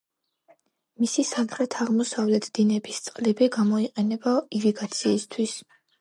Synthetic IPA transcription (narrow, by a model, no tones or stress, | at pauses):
misisamχɾɛt̪ʰaʁmɔsavlɛt̪ʰd̪̥inɛbist̪sʼqʼlibiɡamɔiqʼɛnɛbaiviɡat̪sʰiːst̪ʰwis